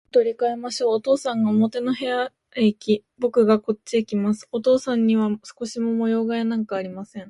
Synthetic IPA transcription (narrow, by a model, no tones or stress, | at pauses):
t̪o̞ɾʲikae̞maɕo̞ːt̪o̞ːsãŋɡaomo̞t̪e̞no̞ɦe̞ja | ikʲibo̞kɯ̟ɡako̞tt͡ɕːiikʲimasɨ̥ot̪o̞ːsãɲ̟ːiβasɨ̥ko̞ɕimo̞mo̞jo̞ːɡajanãŋkaːɾʲimasẽ̞ŋ